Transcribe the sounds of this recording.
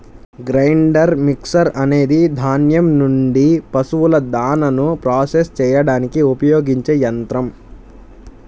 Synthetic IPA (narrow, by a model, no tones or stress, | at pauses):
ɡɾɐjɳɖɐɾmiksɐɾɐne̞ːd̪id̪ʱaːnjɐmnuɳɖipɐsuʋulɐd̪aːnɐnupɾaːsest͡ʃɛːjɐɽaːnikiupɐjoːɡiɲt͡ʃeːjɐnt̪ɾɐm